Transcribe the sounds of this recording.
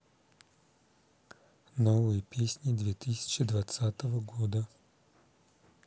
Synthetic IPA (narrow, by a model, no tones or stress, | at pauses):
novɨjəpʲesʲnʲɪd̪vʲet̪ɨsʲɪ̥t͡ʃɪd̪vɐt̪sat̪əvəɡod̪ə